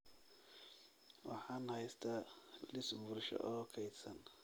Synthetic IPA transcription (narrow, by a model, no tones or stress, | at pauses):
wɑ̰ħɑːnhɛjst̪ʰɐlɪsbʊrʃɔ̰ʔɔːkʰɛjd̪sɐn